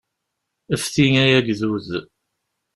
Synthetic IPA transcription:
əfθiŋæjæɡðuð

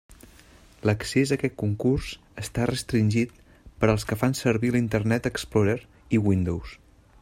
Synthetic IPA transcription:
ləksezəkɛt̪̚kuŋkurz | əst̪arəst̪ɾinʲʒit̪ | pəɾəlˠskəfansəɾβilint̪ərnɛt̪əksploɾəɾ | iwind̪ows

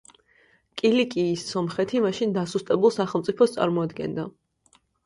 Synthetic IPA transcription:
kʼilikʼiːsːɔmχɛt̪ʰimaʃind̪asust̪ʼɛbulˠsaχɛlˠmt̪sʼipʰɔst̪sʼa̰ɾmɔad̪ɡɛ̰nd̪a

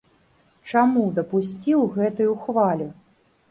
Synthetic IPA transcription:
t͡ʂamud̪ɐpusʲt͡sʲiwɣɛt̪ujuxvalʲu

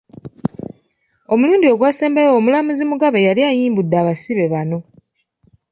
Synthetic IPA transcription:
o̞muluːndio̞ɡwaːseːmbajoːmulamuzimuɡaβejaliaːjiːmbudːaːβasiβe̞βano̞

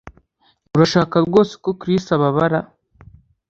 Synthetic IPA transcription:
uɾaʃaːkaɾɡo̞ːse̥kokɾistaβaβaɾa

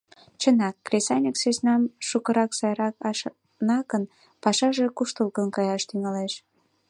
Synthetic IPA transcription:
t͡ɕənɑkːrʲesɑnʲəksesʲnɑmʃukə̆ɾɑksɑjɾɑk | nɑkən | pɑʃɑʒe̽kuʃt̪əlkənkɑjɑʃt̪yŋɑleʃ

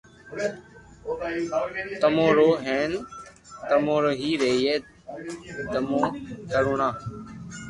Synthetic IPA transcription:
t̪əmõːɾoːɦeːn | t̪əmõːɾoːɦiːɾeːjeː | t̪əmõːkəɾuːɳaː

